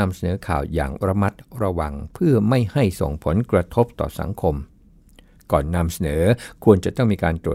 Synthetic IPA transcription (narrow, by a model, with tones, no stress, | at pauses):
a˧msa˧nɤː˩˦kʰa̰ː˨˩wja̰ː˨˩ŋɾa˧ma˦˥t̪̚ɾa˧wa˧ŋpʰɯ˥˩ɐma˥˩jha˥˩jso̰˨˩ŋpʰo˩˦nkɾa˧t̪ʰo˦˥p̚t̪ɔ̰ː˨˩sa̰˩˦ŋkʰo˧m | kɔː˨˩nːa˧msa˧nɤː˩˦kʰu˧ənt͡ɕa˨˩t̪ɔ˥˩ŋmiː˧kaː˧nt̪ɾu˨˩